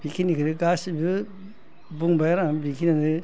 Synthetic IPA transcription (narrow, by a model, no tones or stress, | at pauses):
b̥ikʰinikʰɯɾɯɡasibɯ | buŋbajaɾaŋbikʰinadɯ